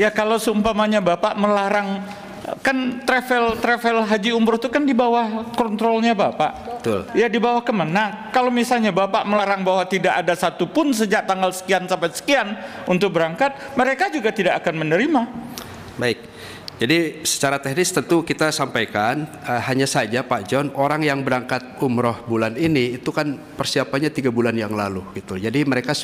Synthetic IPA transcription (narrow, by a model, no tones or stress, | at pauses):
jakalawsəumpamaɲabapaʔməlaɾaŋ | kant̪ɾɛfɛlt̪ɾɛfɛlɦad͡ʒiumbɾʊht̪ukandibawahkɔnt̪ɾɔlɲabapa̰ʔbət̪ʊ̰ljadibawahkəmanakalawmisalɲabapaʔməlaɾaŋbaɦwat̪idaʔadasat̪upʊns̬əd͡ʒaʔt̪aŋɡalsə̥kiansampasə̥kianunt̪ʊk̚bəɾaŋkat̪̚məɾekad͡ʒuɡat̪idakakanmənəɾima | baɪk̚ | d͡ʒadisə̥t͡ʃaɾat̪ɛhnɪst̪ənt̪ukit̪asampajkan | əhaɲasad͡ʒapaʔd͡ʒɔnoɾaŋjaŋbəɾaŋkat̪̚umɾɔhbulaniniːt̪ukan | pərsiapanɲat̪iɡabulanjaŋlaluɡit̪ud͡ʒadiməɾeka